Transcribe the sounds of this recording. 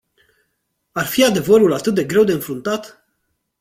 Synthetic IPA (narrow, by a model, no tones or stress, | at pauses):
arfiad̪e̞vəɾulat̪ɨt̪̚d̪e̞ɡɾe̞wd̪e̞ɨnfɾunt̪at̪